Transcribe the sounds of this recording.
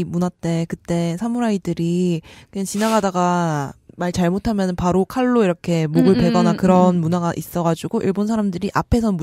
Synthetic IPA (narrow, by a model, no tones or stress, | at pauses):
munat͈e̞kɯt͈e̞sʰamuɾaidɯɾient͡ɕinaɡadaɡamaɭt͡ɕaɭmotʰamjʌnɯnpaɾokʰaɭːoiɾʌkʰe̞moɡɯɭpe̞ɡʌnakɯɾʌnmunaɡaʔis͈ʌɡad͡ʑuɡoʔiɭbonsʰaɾamdɯɾiʔapʰe̞sʰʌmu